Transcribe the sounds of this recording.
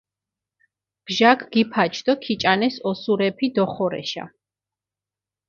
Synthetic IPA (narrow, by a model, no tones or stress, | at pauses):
b̥ʒaɡʰɡ̥ipʰat͡ʃʰd̪ɔkʰit͡ʃʼanɛsɔsuɾɛpʰid̪ɔχɔɾɛ̰ʃa̰